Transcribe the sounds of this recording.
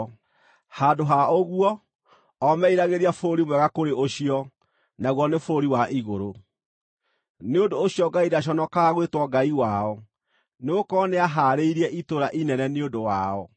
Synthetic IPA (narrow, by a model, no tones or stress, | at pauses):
hadoɦaoɣuɔ | ɔmɛiɾaɣeɾiafɾoɾimwɛɣakoɾeʔoɕiɔ | naɣwɔnefoɾoɾiwaʔiɣoɾo | neondoːɕiɔɡaiɾaɕ̬ɔnɔkaɣwetwɔɡaiwaɔ | neɣokɔneaɦaːɾeiɾiɛʔitoɾaʔinɛnɛneondowa̰ɔ